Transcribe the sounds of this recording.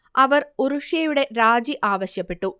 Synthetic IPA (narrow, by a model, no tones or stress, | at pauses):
ʔɐʋɐɾuɾuʂjɐjuɽeɾaːd͡ʒiʔaːʋɐɕjɐpːeʈːu